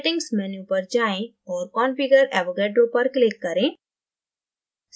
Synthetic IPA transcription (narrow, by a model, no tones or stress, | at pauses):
ʈɪ̃ŋɡsmɛnjupɐɾd͡ʒaːẽ | ɔːɾkɔːnfɪɡəɾɛ̰ːʋokeːʈɾoːpɐɾklɪkːɐɾẽː | s